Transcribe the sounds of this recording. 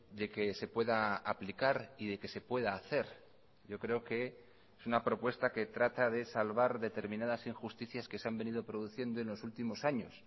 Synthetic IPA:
d̪e̞ke̞se̞pwe̞ðaaplikaɾiðe̞ke̞se̞pwe̞ðaːθe̞ɾ | ɟ͡ʝo̞kɾe̞o̞ke̞ | esunapɾo̞pwe̞st̪ake̞t̪ɾat̪aðe̞salβaɾðe̞t̪e̞ɾmĩnað̞asiŋxust̪iθjaske̞seambe̞niðo̞pɾo̞ðuθje̞nd̪oenlo̞sult̪imo̞saɲo̞s

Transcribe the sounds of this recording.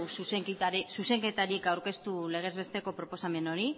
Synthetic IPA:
suseŋk̪aɾsuse̞ŋke̞t̪aɾikawɾke̞st̪ule̞ɣ̞e̞zβe̞st̪e̞ko̞pɾo̞po̞same̞no̞ɾi

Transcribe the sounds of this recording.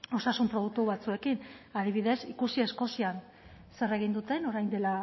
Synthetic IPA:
o̞sasumpɾo̞ð̞uk̚t̪uβat͡sue̞kinaðiβiðe̞sikusie̞sko̞sian | sere̞ɣind̪ut̪e̞no̞ɾajnd̪e̞la

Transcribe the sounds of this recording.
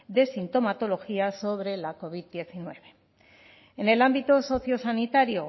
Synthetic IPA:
d̪e̞sint̪o̞mat̪o̞lo̞xiaso̞βɾe̞lako̞β̞iðd̪je̞θinwe̞βe̞ | ene̞lambit̪oso̞θjo̞sanit̪aɾjo̞

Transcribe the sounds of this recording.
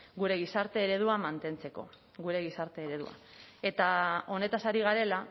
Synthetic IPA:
ɡuɾe̞ɣ̞isaɾt̪e̞ːɾe̞ð̞uamant̪e̞nt͡se̞ko̞̰ | ɣuɾe̞ɣ̞isaɾt̪e̞ːɾe̞ðua̰e̞t̪ao̞ne̞t̪asaɾiɣ̞aɾe̞la

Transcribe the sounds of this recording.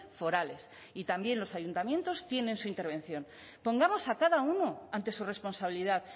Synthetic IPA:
fo̞ɾale̞s | it̪ambje̞nlo̞sajunt̪amjẽ̞nt̪o̞st̪je̞nẽ̞nsuint̪e̞ɾβẽ̞nθjo̞n | po̞ŋɡamo̞sakaðauno̞ant̪e̞sure̞spo̞nsaβ̞iliðað

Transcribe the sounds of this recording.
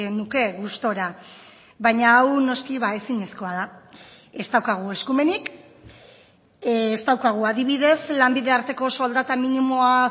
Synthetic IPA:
nuke̞ɣust̪o̞ɾa | βajɲaːwno̞skiβaesiɲesko̞að̞a | e̞st̪awkaɣ̞ue̞skume̞nik | st̪awkaɣ̞uaðiβ̞iðe̞slambiðe̞aɾt̪e̞ko̞so̞ld̪at̪aminimo̞a

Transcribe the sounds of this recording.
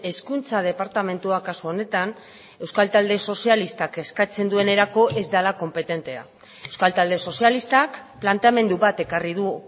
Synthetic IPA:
e̞skunt͡sað̞e̞paɾt̪ame̞nt̪uakasuo̞ne̞t̪an | e̞wskalt̪ald̪e̞so̞sialist̪ake̞skat͡se̞nd̪ue̞ne̞ɾako̞ʔe̞zd̪alako̞mpe̞t̪e̞nt̪e̞a̰ | ewskalt̪ald̪e̞so̞sialist̪akplant̪e̞ame̞nd̪uβat̪e̞kariðu

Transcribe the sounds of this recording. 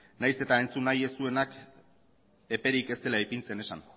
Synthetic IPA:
najse̞t̪aent͡sunːaje̞st̪ue̞nak | e̞pe̞ɾike̞st̪e̞laejpint͡se̞ne̞san

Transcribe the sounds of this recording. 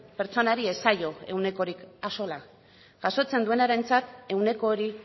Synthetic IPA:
pe̞ɾt͡so̞naɾie̞saʎo̞e̞wne̞ko̞ɾikaso̞la | ʝ̥aso̞t͡se̞nd̪ue̞naɾe̞nt͡sat̪e̞wne̞ko̞ːɾi

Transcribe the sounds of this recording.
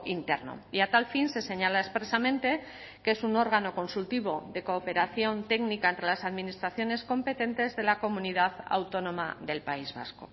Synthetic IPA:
int̪e̞̰ɾno̰iat̪alfinse̞se̞ɲalaespɾe̞samẽ̞nt̪e̞ | keesuno̞ɾɣ̞ano̞ko̞nsult̪iβo̞ðe̞ko̞ːpe̞ɾaθjo̞nt̪e̞knikaent̪ɾe̞lasaðminist̪ɾaθjo̞ne̞sko̞mpe̞t̪e̞nt̪e̞zðe̞lako̞muniðaða̰wt̪o̞nõ̞ma̰ðe̞lpaizβa̰sko̞̰

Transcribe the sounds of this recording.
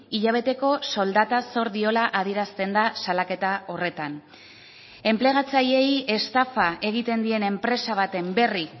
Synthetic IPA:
iʎaβ̞e̞t̪e̞ko̞so̞ld̪at̪aso̞ɾðio̞laʔað̞ieɾast̪e̞nd̪asalake̞t̪ao̞re̞t̪an | e̞mple̞ɣ̞at͡saje̞je̞st̪afae̞ɣ̞it̪e̞nd̪ie̞ne̞mpɾe̞saβ̞at̪e̞mbe̞ri

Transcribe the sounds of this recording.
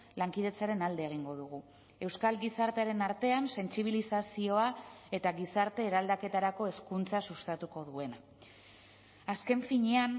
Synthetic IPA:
laŋkið̞e̞t͡saɾe̞nald̪e̞ːɣ̞iŋɡo̞ð̞uɣ̞u | e̞wskalɡisaɾt̪e̞aɾe̞naɾt̪e̞anse̞nsiβilisasio̞ae̞t̪aɣisaɾt̪e̞ːɾald̪ake̞t̪aɾako̞e̞skunt͡sasust̪at̪uko̞ðue̞na | aske̞ɱfiɲe̞an

